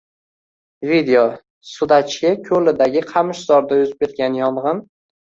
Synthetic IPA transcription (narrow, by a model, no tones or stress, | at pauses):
vid̪eo | sʊd̪at͡ʃʰkʲɪkʲʰɵlɪd̪aɡʲɪqʰɑmɪʃz̥ɒɾd̪ajʊzɪp̚ʰʲet̪̚kʲanjɒɴʁɨn